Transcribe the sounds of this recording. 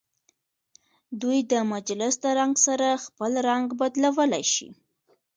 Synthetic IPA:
d̪ujd̪əmad͡ʒlɪsd̪əɾaŋɡsaɾaxpəlɾaŋɡbad̪lawəlajʃḭ

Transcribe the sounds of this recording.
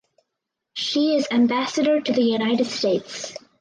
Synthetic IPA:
ʃiɪzæ̃mbæsɨɾə˞ɾɨðɨjʉnaɪɾɨd̥steɪts

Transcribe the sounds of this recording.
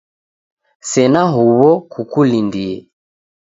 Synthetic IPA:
sɛnaɦuβɔkʰukulindiɛ̰

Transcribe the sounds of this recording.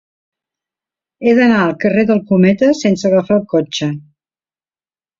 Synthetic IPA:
eðənaəlˠkəreðəlˠkumɛt̪əsensəɣəfalˠkot͡ʃə

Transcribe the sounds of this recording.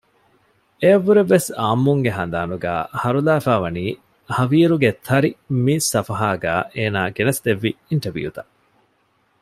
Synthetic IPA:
eɐʋːuɾeʋːesaːmːuŋɡeɦɐnd̪aːnuɡæ̰ːhɐɾulæːfæːʋɐniː | hɐʋiːɾuɡet̪ʰɐɾimiːsːɐfɐɦaːɡæːʔeːnaːɡenɐsd̪eʋːiiɳʈɐbḭjut̪ɐ

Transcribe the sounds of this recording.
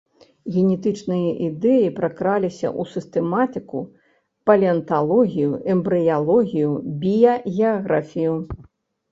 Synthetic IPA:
ɣʲɛnʲɛt̪ɨt͡ʂnɨjɐʔid̪ɛjipɾɐkɾalʲisʲɐ̰ʔusɨst̪ɛmat̪ɨkṵ | pɐlʲiɐnt̪alˠɔɣʲijuʔɛmbɾɨjalˠɔɣʲijubʲijɐɣʲɛaɣɾafʲiju

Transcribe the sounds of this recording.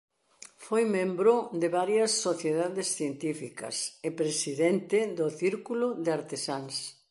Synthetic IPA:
fojmẽmbɾod̪ɪβaɾjɐsːoθjeðaðɪsθjent̪ifikɐ̰sepɾesiðent̪ɪðʊθiɾkulʊðɪaɾt̪esans

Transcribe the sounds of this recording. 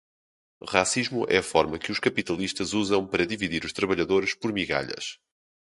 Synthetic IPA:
ʁasiʒmuʔɛ̰ɐfɔɾmɐkɨuʃkɐpit̪ɐlˠiʃt̪ɐzuzɐ̃w̃pɐɾɐðiviðiɾuʃt̪ɾɐβɐʎɐðoɾʃpɔɾmiɣa̰ʎɐ̰ʃ

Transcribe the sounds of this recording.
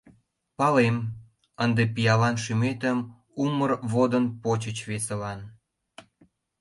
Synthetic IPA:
pɑlem | ənd̪epijɑlɑnʃymet̪əm | umərβod̪ənpot͡ɕət͡ɕβesə̆lɑn

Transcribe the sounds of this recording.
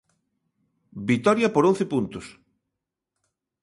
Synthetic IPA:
bit̪ɔɾjɐpoɾõn̟θepunt̪ʊs

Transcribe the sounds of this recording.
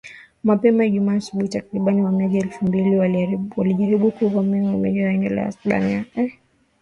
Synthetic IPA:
mapɛmajaʄumaːsuɓuhitakɾiɓaniwamiaʄaɛlfumbiliawaliʄaɾiɓukuvamimwamaʄawɛŋɡɛla̰a̰sɓa̰niaɛ

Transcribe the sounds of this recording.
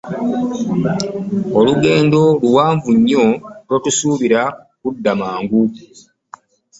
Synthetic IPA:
oluɡe̞ːndo̞luwaːɱvuɲːo̞lwotusuːβiɾa | kudːamaːŋɡu

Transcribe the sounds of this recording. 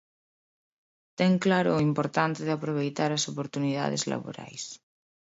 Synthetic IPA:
t̪ɛŋklaɾoimpoɾt̪ant̪eðeapɾoβ̞ejt̪aɾasopoɾt̪uniða̰ð̞ezla̰βo̰ɾa̰js

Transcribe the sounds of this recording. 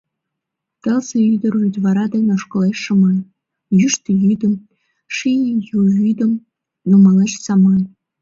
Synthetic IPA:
t̪ɤ̆lzĕyd̪ə̆rʲud̪ʲvɑɾɑd̪ɑnʲoʂkɤ̆leʃːɤ̆mɑn | jyʃt̪ĭjyd̪ʲə̆m | ʂinʲijujyd̪ə̆m | numɑlˠɑt͡ɕsɑmɑn

